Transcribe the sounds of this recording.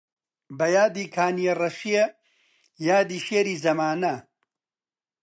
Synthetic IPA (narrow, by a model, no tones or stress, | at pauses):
bɐjaːd̪iːkʰaːnijerɐʃije | jaːd̪iːʃeːɾiːzɐmaːnɐ